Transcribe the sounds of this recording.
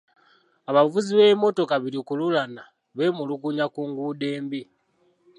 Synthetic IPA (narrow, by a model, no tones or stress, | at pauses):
aβavuziβemo̞to̞kaβiɾikululana | βe̞muluɡuɲakuːŋɡude̞ːmbi